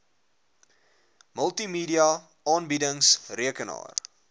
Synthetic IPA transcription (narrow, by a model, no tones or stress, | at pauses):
məlˠtimiːdiɐ | ʔɑːnbidəŋsriəkənɑ̰ːr